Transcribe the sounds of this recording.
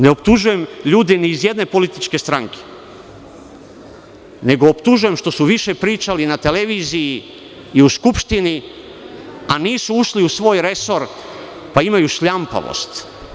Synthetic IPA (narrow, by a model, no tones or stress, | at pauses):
ne̞opt̪uʒuje̞mʎuːd̪eniːzje̞d̪ne̞po̞lit̪it͡ʃke̞st̪ɾaŋke̥ | ne̞ɡoːpt̪uʒuje̞mʃt̪o̞suʋiʃe̞pɾiːt͡ʃalinat̪e̞le̞ʋiːzijiː | uskupʃt̪ini | aniːsuuʃliusʋo̞ːjɾe̞so̞ɾ | paimajuʃʎampa̰ʋo̰st̪